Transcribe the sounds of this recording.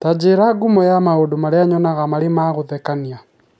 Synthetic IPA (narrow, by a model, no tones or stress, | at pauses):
tad͡ʒeɾaɡumɔjamaodomaɾeaɲɔnaɣamaɾemaɣoðɛkania